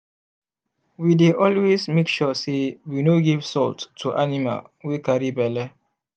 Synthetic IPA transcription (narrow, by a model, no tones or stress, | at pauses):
wideʔɔlwesmekʃɔsewinoɡivsɔltːuʔanima̰lwekaɹibɛlɛ